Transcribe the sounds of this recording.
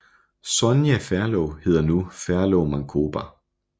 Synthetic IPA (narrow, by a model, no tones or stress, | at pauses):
sɔnjefæɐlɔʊhe̝ð̰ˠɐnufæɐlɔʊmɑ̈ŋkʰo̝ːb̥æ